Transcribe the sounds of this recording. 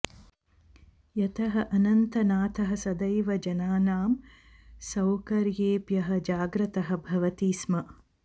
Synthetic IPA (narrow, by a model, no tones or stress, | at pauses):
jɐt̪ɐɦɐʔɐnɐnt̪ɐnaːt̪ʰɐɦɐsɐd̪ɐjʋɐd͡ʒɐnaːnaːm | sɐwkɐɾjeːpjɐɦɐ̆d͡ʒaːɡɾɐt̪ɐɦɐ̆bʱɐʋɐt̪iːsmɐ